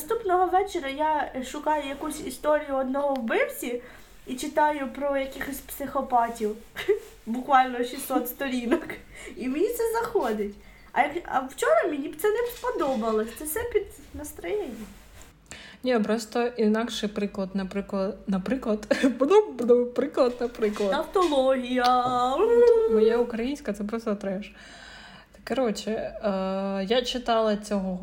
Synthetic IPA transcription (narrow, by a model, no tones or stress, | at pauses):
st̪upnɔɦɔʋɛt͡ʃeɾʲɐjaʃʊkɑjʊjɐkusʲist̪ɔɾʲijʊɔd̪nɔɦɔwbɪwsʲi | it͡ʃɪt̪ɑjʊpɾɔjɐkʲɪxɔsʲpsɪxɔpɑtʲiw | bʊkʋɑlʲnɔʃʲisɔt̪st̪ɔɾʲinɔk | imnʲit̪sɛzɐxɔd̪ɪtʲ | ɐ̰jɐkɐ̰wt͡ʃɔɾɐmʲinʲibt̪sɛnɛpɔd̪ɔbɐlˠɔsʲt̪sɛsɛpʲid̪ | nɐst̪ɾɪjɛnʲi | nʲipɾɔst̪ɔinɑkʃɪpɾɪklˠɐd̪nɐpɾɪklˠɐd̪nɐpɾɪklˠɐd̪bɔd̪ɔbnɔpɾɪklˠɐd̪nɐpɾɪklˠɐɐft̪ɔlˠɔɦʲijɐ | mɔjɛukɾɐjinʲsʲkɐt̪sɛp̬ɾɔst̪ɔt̪ɾɛʒ | t̪ɐ̥kːɐɾɔt͡ʃɪ | jat͡ʃɪt̪ɑlˠɐt͡sʲɔɦɔ